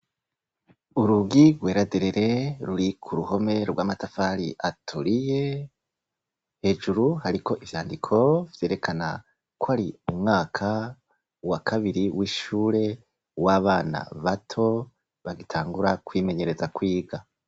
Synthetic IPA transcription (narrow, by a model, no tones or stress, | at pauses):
uɾuɡiɡwe̞ːɾadeɾeɾe̞ɾuɾikʰuɾuho̞me̞ɾɡwaːmatafaɾiʔatʰuɾije̞ | he̞ːd͡ʒuɾuhaɾiko̞ʔivjaːndikʰo̞vje̞ːɾe̞kʰana̰ | kwaɾiumŋaːkʰa | wakʰaβiɾiwiːʃuːɾe̞ | waːβaːna̰βatʰo̞ | βaɡitʰaːŋɡuɾakwiːme̞ɲe̞ɾe̞zakwiːɡa